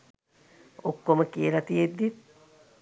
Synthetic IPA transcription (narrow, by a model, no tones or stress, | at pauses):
okːoməkielɐt̪ijed̪ːit̪